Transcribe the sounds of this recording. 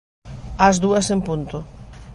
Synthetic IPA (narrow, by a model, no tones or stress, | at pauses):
azðuɐsempunt̪ʊ